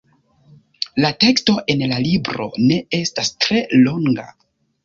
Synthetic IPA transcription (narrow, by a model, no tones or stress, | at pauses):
late̞ksto̞ʔe̞nlalibɾo̞̰ne̞e̞stastɾe̞lo̞ŋɡa̰